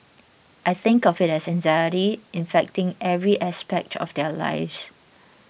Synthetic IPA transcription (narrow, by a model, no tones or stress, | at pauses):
ʔajθɪ̃ŋkɔvɪtɛsɛ̃nzajəliɪ̃nfɛk̚tɪ̃ŋɛvɹiʔaspɛk̚tʰɔ̰fdɛla̰ɪfs